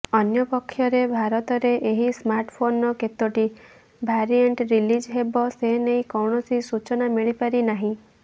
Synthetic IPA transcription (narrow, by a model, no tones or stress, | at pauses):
ɔnjɔpɔkʰːjɔɾebʱaɾɔt̪ɔɾeʔeɦismaɾʈpʰonɔket̪ɔʈi | bʱaɾijeɳʈɾilid͡ʒɦebɔseɦnejkɔwɳɔsisut͡ʃɔnamiɭipaɾinaɦĩ